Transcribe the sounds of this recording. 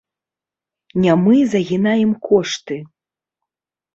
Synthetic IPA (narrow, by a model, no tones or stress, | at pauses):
nʲamɨzɐɣʲinajɛmkɔʂt̪ɨ